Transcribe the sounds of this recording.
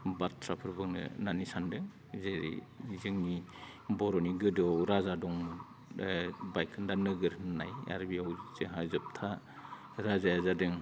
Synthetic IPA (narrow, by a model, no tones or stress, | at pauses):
batʰɾapʰɯɾbɯŋnɯ̰nanisandɯŋ | zeɾḭ | izɯŋni | bɔɾɔniɡɯdɔɾazadɔŋ | bajkʰɯndanɯɡɯɾnɯnaja̰ɾbiawzizɯɦazɯp̚tʰa | ɾazajazadɯŋ